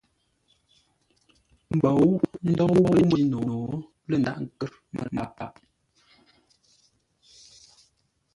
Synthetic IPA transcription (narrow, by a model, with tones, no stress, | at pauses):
m̩˨bɔ˨wu˦ʔn̩˦dɔ˦wo˦mə˦no˨o˨˦ | lə˦˨nda˦ʔŋ˦˨kə˦ɾ | mə̰˨ma̰˨pa̰˦˨ʔ